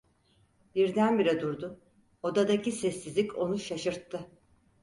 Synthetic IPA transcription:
b̥iɾd̪ænbiɾɛd̪uɾd̪ʊ | o̞d̪ad̪acisɛsːizlʲico̞nuʃaʃɯɾt̪ʰːɯ

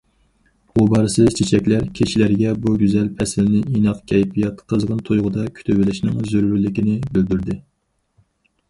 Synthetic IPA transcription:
bubɑɾɨsɨzt͡ʃʰet͡ʃʰɛkʲlæɾkʲʰeʃilæɾɡʲɛbuɡʲyzɛlpʰɛsɪlnɪʔinɑqkʲʰɛjpʰijɑt̪qʰəzʁənt̪ʰojʁʊd̪ɑkʲʰy̥t̪ʰybɪlɪʃnɪŋzøɾɾylːɪkʲinɪbɪld̪yɾd̪ɪ

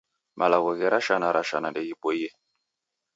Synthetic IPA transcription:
mʔalaɣɔɣɛɾaʃanaɾʔaʃanandɛɣipɔiɛ

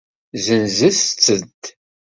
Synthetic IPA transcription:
zənzist͡sːəd̪

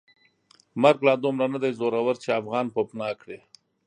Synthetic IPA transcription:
maɾɡlɑd̪ʊmɾanad̪ajzoɾawaɾt͡ʃeafɣɑnpopnɑkɽe

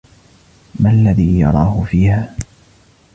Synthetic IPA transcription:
malːaðiːjɑ̰ɾˤɑːhʊfiːhaː

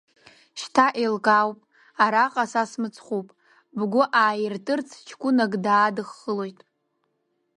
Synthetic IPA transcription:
ʃtʰaʔelkʼawpʼ | aɾaqʼasasmɨt͡sʰχupʼ | bɡʷʊʔaːjɪrtʼɨrt͡sʰt͡ʃʰkʷʼʊnaɡdaːdɨχːəlo̞jtʼ

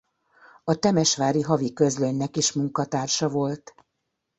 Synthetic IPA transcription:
ɒt̪ɛmɛʃʋaːɾiɦɒvikø̞zløɲnɛkiʃmuŋkɒt̪aːrʃɒvo̞lt̪

